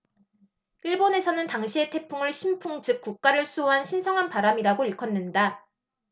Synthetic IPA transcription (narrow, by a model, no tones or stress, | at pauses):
iɭbone̞sʰʌnɯntaŋɕʰie̞tʰe̞pʰuŋɯɭɕʰimpʰuŋt͡ɕɯk̚k͈uk̚k͈aɾɯɭsʰuoɦanɕʰinsʰʌŋɦanpaɾamiɾaɡoiɭkʰʌnːɯnda